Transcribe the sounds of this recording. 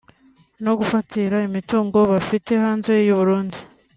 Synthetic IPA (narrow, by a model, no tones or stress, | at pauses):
no̞ɡufatiɾaimituːŋɡo̞βafite̞haːnze̞juβuɾuːndi